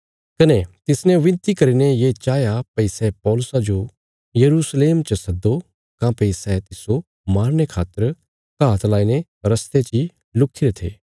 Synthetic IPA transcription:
kɐnet̪ɪsnẽʋɪ̃nt̪ikɐɾinejet͡ʃaːjapɐɪsɛpɔːlʊsad͡ʒo | jɐɾusleːmt͡ʃəsɐd̪ːo | kãpɐɪsɛt̪ɪso | maːɾñekʰaːt̪əɾ | kaːt̪laːine | ɾɐst̪et͡ʃi | lʊkʰːɪɾet̪ʰḛː

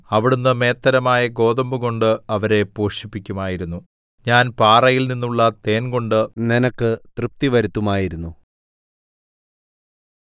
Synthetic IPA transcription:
ɐʋiɽunːɨme̞ːt̪ːɐɾɐmaːjɐɡo̞ːðɐmbuɣo̞ɳɖɨɐʋɐɾe̞poːɕipːikʲːumaːjiɾunːu | ɲaːnpaːrɐjilninːuɭːɐt̪e̞ːnɡo̞ɳɖɨninɐkːɨt̪rɨp̚t̪iʋɐɾut̪ːumaːjiɾunːu

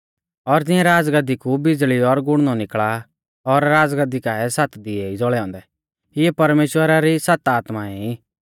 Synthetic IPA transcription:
ɔɾd͡zɪ̃ɛ̃ɾaːd͡zɡəd̪ikubɪd͡zɭiɔɾɡʊɽ̃nɔnɪkɭa | ɔɾːaːd͡zɡəd̪ikaɛsat̪d̪ɪɛid͡zɔɭɛɔ̃ːnd̪ɛ | ɪjɛpɐɾmeːʃwəɾaɾisat̪aːt̪maɛi

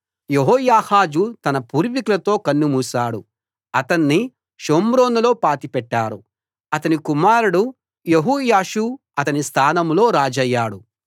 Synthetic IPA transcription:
jeɦɔːjaːhaːd͡ʒut̪ɐnɐpuːɾʋikulɐt̪o̞ːkɐnːumuːsaːɽu | ɐt̪ɐnːi | ʃoːmɾo̞ːnulo̞ːpaːt̪ipɛʈːaːɾu | ɐt̪ɐnikumaːɾuɽu | jeɦuːjaːʃu | ɐt̪ɐnist̪ʰaːnɐmlo̞ːɾaːd͡ʒɐjːaːɽu

